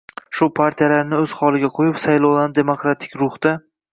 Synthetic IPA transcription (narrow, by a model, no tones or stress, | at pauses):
ʃʊpʰaɾt̪ʰijalaɾnɪɵz̥χɒlˠɪɡʲaqʰojɪpsajlˠɒwland̪e̞mokɾat̪ʰɪ̥kʲɾʊχd̪̥a